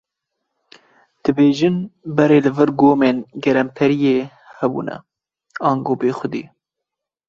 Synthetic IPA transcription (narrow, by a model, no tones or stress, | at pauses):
d̪̥ɨbeːʒɨnbɛɾeːlɨvɨɾɡoːmeːnɡɛɾɛmpʰɛɾijeː | hɛbṵːnɛ̰ | ɑːŋɡoːbeːxʷʊd̪ḭː